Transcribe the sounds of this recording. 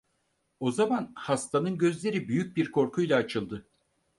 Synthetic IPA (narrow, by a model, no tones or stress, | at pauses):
o̞zamanhast̪ʰanɯnɟø̞zlʲe̞ɾibyjyc̚biɾkʰo̞ɾkʰujlˠaːt͡ʃʰɯlˠd̪ɯ